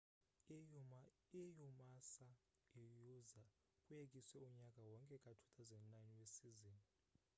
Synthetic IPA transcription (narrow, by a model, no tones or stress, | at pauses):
ijumasa | ijuza | kʼujekʼiswɛuɲakʼawɔŋkʼɛkʼatʰu̥t̪ʰazɛndnajnwesiziːni